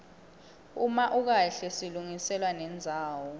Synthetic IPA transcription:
umaʔuk̬aɬɛsiluŋisɛlwanɛnd͡zʱaːwɔ

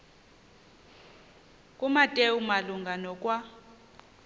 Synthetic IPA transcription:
kʼumatʼeumaluŋɡʱanɔkʼwa

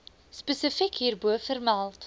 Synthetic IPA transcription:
spəsəfikɦiːrbuəfərmælˠt

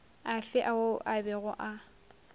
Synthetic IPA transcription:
aɬɪʔaʊʔabɛɣʊʔa

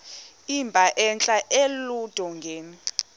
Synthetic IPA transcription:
imbʱaʔɛnt͡ɬʼaʔelud̥ʱɔŋɡʱeːni

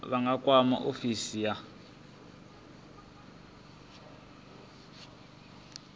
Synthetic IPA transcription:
βaŋɡakʼwama̰ʔofisija

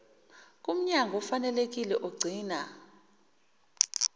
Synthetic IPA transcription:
k̬ʼum̩ɲaŋɡʱɔfanɛlek̬ilɛʔoɡ͡ǀʱiːna

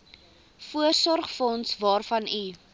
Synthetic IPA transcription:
fuərsɔrχfɔnsvɑːrfɐni

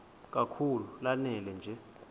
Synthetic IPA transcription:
k̬ʼakʰululanɛlɛnd͡ʒʱɛ

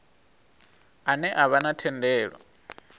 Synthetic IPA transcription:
anɛʔaβanatʰɛndɛːɺɔ̰

